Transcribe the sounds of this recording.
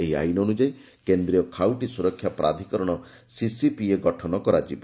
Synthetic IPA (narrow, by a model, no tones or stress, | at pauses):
eɦia̰jnɔːnud͡ʒaj | kend̪ɾijɔkʰawʈisuɾɔkʰːjapɾa̰d̪ʱikɔɾɔɽ̃ɔ | sisipieɡɔʈʰɔnɔkɔɾad͡ʒib